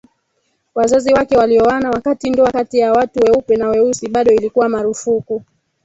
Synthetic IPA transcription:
wazaziwakɛwaliɔanawakatindɔakatijawatuwɛupɛnawɛusiɓaɗɔilikuwamaɾufuku

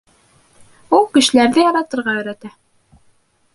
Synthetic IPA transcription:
ulˠkɘ̆ʃɘ̆læɾðɘjɑɾɑt̪ɤ̆ɾʁɑɵ̆jɾæt̪æ

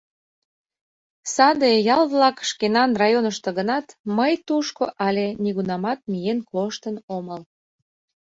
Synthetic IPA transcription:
sɑd̪ejɑlβlɑkʃkenɑnrɑjonəʃt̪oɣənɑt̪məjt̪uʃkoʔɑlʲeniɣunɑmɑt̪̚mijenkloʃt̪ənoməl

